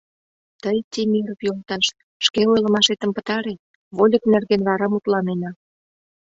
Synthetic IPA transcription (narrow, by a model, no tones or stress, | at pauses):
t̪əjt̪ʲimiɾəpjolt̪ɑʃ | ʃkeojlə̆mɑʃet̪ə̆mpə̥̆t̪ɑɾe | βolʲəknerɣenβɑɾɑmut̪lɑnenɑ